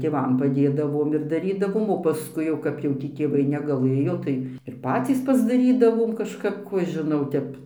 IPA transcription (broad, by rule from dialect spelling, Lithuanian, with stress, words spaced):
tʲeːˈʋɐm pɐˈdʲeːdɐʋoːm ɪr dɐˈrʲiːdɐʋoːm oː pɐˈskʊɪ jɛʊ kɐp jɛʊ ˈtʲiː tʲeːˈʋɐɪ nʲɛɡɐˈlˠɘjoː tɐɪ ɪr ˈpɑːt͡sʲiːs pɐzdɐˈrʲiːdɐʋoːm kɐʃˈkɐp ˈkuː ɐʃ ʒʲɪˈnɐʊ ˈtʲɛp